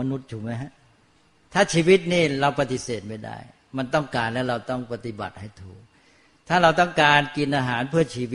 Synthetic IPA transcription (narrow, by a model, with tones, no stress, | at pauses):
ma˧nu˦˥t̪̚t͡ɕʰuː˩ma˦˥jɦa˦˥ | t̪ʰaː˥˩t͡ɕʰiː˧wi˦˥t̪̚niː˥˩ɾa˧wpa˧t̪i˨˩seː˨˩t̪̚ma˥˩jda̰˥˩j | ma˧nt̪ɔ˥˩ŋkaː˧nlɛː˦˥wɾa˧wt̪ɔ˥˩ŋpa˧t̪i˨˩ba̰˨˩t̪̚ha˥˩jt̪ʰuː˨˩k̚ | t̪ʰaː˥˩ɾa˧wt̪ɔ˥˩ŋkaː˧nki˧nʔaː˧ɦaː˩˦npʰɯ˥˩ɐt͡ɕʰiː˧w